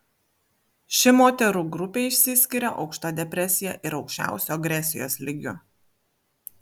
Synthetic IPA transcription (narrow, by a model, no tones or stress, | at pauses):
ʃʲɪmoːt̪ʲɛɾuːɡɾʊpʲeɪʃʲsʲɪsʲkʲɪɾʲɛʔɒʊkʃt̪oːd̪ʲɛpʲɾʲɛsʲɪjɛ̰ʔɪɾɒʊkʃʲt͡ʃʲæ̰ˑʊsʲoːɐɡɾʲɛsʲɪjo̰ːslʲɪɡʲʊ̰